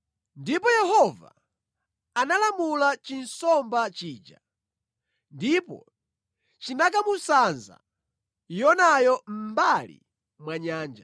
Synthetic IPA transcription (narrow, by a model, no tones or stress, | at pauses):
ndipɔjɛhɔva̰ | analamulat͡ʃinsɔmbat͡ʃiːd͡ʒa̰ | ndipɔ̰ | t͡ʃinak̬amusanza̰ | jɔnajɔm̩balḭ | mwaɲaːnd͡ʒa